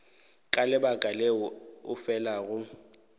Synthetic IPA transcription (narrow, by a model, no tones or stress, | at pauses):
kʼalɪbakʼaleʊʊfɛlaɣʊ